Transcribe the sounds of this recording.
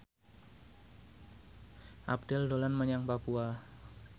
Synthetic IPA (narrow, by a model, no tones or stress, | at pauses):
ʔa̰p̚dɛldolanməɲaŋpapua